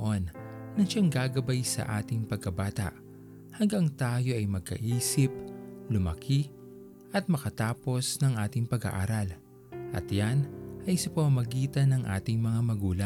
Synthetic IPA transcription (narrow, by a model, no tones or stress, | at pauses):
ʔonːɐʃaŋɡaːɡɐbajsɐ̰ʔa̰ːt̪ɪŋpɐɡ̚kɐbaːt̪ɐ̰ʔ | hɐŋɡaŋt̪aːjo̞ʔɐjmɐɡ̚kɐ̰ʔiːsɪp̚lʊmɐ̰kʰi | ʔɐt̪̚mɐkɐt̪aːpo̞snɐŋʔaːt̪ɪŋpɐɡa̰ʔa̰ːɾɐl | ʔɐ̰t̪janʔɐjsɐpɐmɐmɐɡiːt̪ɐnɐŋʔa̰ːt̪ɪŋmɐŋamɐɡuːlɐ